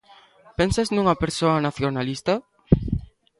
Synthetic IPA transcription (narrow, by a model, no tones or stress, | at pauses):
pensaznũŋɐpeɾsoɐnaθjonalist̪a